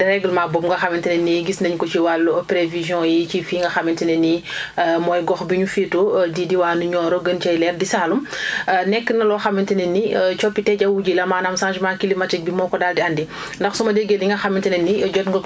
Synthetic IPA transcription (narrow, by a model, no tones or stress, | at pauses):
dɛɾɛɡəlmaːbɔmŋɡɐxamɛntɐnɛnːiɡisnɐɲkɔt͡ʃiwalːupɾevizjɔ̃jicifiːŋɡɐxamɛntɐnɛnimɔːjɡɔxbiɲufiːtodidiwaːnuɲɔːɾɔɡənt͡ʃɐjlɛːrdisaːlumnɛkːənɐlɔxamintɐnɛnːit͡ʃɔpːitɛɟɐwuɟilɐmaːnamsãːʒmaːkilimɐtɛk̚bimɔːkɔdaːldiandi | ndɐxsumɐdeɡeliŋɡɐxamːintɐnɛnːiɟɔtŋɡɐ